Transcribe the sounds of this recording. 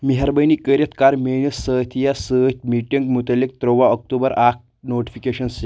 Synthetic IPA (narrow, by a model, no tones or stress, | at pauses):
miɦaɾbəjniːkəɾjət̪kaɾmenəsːət̪ʰijasət̪miʈiŋɡmut̪əlːik̚t̪ɾoʋaɔk̚ʈubəɾak̚ | noʈi̥fikeɕənse